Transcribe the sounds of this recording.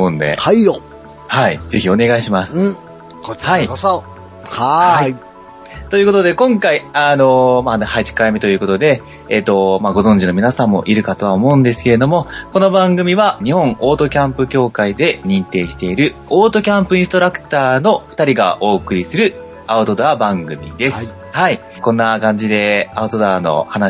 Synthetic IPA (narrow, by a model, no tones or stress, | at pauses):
mõnd̪ḛaio | haize̞çio̞ne̞ɡaiɕimasɨ̥ | kohai | haha | t̪o̞jɯ̟ːko̞t̪od̪e̞kõ̞ŋkaiano̞manhat͡ɕi̥kaime̞t̪o̞jɯ̟ko̞t̪o̞d̪e̞ː | t̪ːo̞maɡo̞zõ̞ɲ̟d͡ʑino̞mʲinasãmːo̞̰ʔiɾɯ̟kat̪o̞βaomo̞ɯ̟̃nd̪e̞sɨ̥ke̞ɾe̞d̪o̞mo̞ko̞no̞bãŋɡɯ̟mʲiβaɲ̟ihõ̞ɴʔo̞ːt̪o̞kʲãmpɯ̟kʲo̞ːkaid̪e̞ɲ̟ĩnt̪e̞ːɕi̥t̪e̞iɾɯ̟oːt̪o̞kʲãmpɯ̟ĩst̪o̞ɾakɯ̟̥t̪aːno̞ɸɯ̥t̪aɾʲiɡa̰ʔo̞ːkɯ̟ɾʲisɨɾɯ̟ | aɯ̟t̪o̞d̪abãŋɡɯ̟mʲḭd̪e̞sɨ̥ | hai | kõ̞nːakãɲ̟d͡ʑid̪e̞aɯ̟t̪o̞d̪aːno̞̰hana